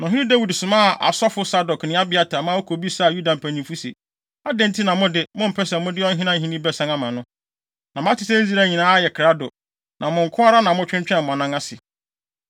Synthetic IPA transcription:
nã˨ɦɪ̃˦nĩ˦da˦wu˨dsʊ̃˨mã˦˨ʔa̰˨sɔ˦fʊ˦sa˦dɔ˨knɪ̃˦a˦bɪ˨a˦tʰa˨mã˦o˦kʰo˨bi˦sa˦˨ju˦da˨m̩˨pʰæ˨nĩ˨mfu˦sḭ˨ | a˦dɛ̃˦n˦tʰɪ˦nã˨mʊ̃˦dɪ˦mʊ̃˦m̩˨pʰɛ˦sɛ̃˨mʊ̃˦dɪ˦ɔ˦n̩˦ɦɪ̃˦nã˦ɦĩ˦nĩ˦bɛ˦sã˦nã˦mã˨nʊ̃˦ | nã˨m˦ã˦tʰɪ˨sɛ˦zi˦ɾa˦˨ɲĩ˨nãː˦a˦jɛ˨kʰɾa˦dʊ˨ | nʔã˨mʊ̃˨ŋ̩˨kʰʊ̃˦a˦ɾa˦nã˨mʊ̃˦t͡ɕᶣɪ̃˦ɲt͡ɕᶣɛ̃˦˨m̩˨mã˨nã˦ŋa˦sɪ˨

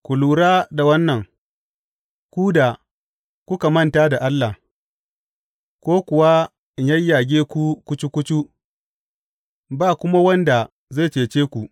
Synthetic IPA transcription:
kʷu˨luː˨ɽaː˦da˨wɐ˦nːɐ˨ŋ | kʷu˦da˨ | kʷʊ˦ka˨mɐ˦nta˦da˨ʔa˦lːa˨h | kʷoː˦kʷʊ˨wa˦ | ɲɐ˦jːaː˨ɡʲeː˦kʷu˦kʷʊ˦t͡ʃi˦kʷʊ˦t͡ʃu˦ | baː˦˨kʷʊ˦ma˦wɐ˦nda˨ | za˦˨t͡ʃeː˨t͡ʃeː˦kʷu˨

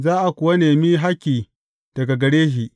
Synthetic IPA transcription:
zaː˦ʔa˨kʷʊ˨wɐ˦neː˨miː˦ɦa˦kʲːiː˨ | d̥ɐ˨ɡa˨ɡɐ˨ɽeː˦ɦiː˨ʔ

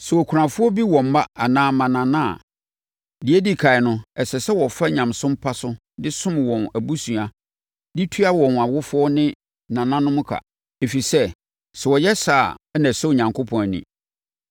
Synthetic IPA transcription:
sɛ˨wɔ˨kʰu˨ɾã˨fʊ˦ɔ˦bi˦wɔ̃˨m̩˦ma˦a˨nãː˦mã˨nã˨nã̰˦˨ | dɪ˨e˦di˦kʰa˨ɪ˨nʊ̃˦ɛ˨sɛ˨sɛ˦wɔ˨fa˦ɲã˨msʊ̃˦m˦pʰa˦sʊ˦ | dɪ˦sʊ̃˦m˨wɔ̃˨næ˨bu˦sũ˨a˨ | di˦tʰu˦a˦wɔ̃˨n˨a˨wʊ˦fʊ˦ɔ˦nɪ̃˦ | nã˨nã˦nʊ̃˦mʊ̃˦kʰa̰˨ | e˨fi˨sɛ˦ | sɛ˨wɔ˨jɛ˦saː˨˦næ̃˨sɛ˦o˨ɲã˨ŋkʰʊ˦pʰɔ̃˨n˨nḭ̃˨

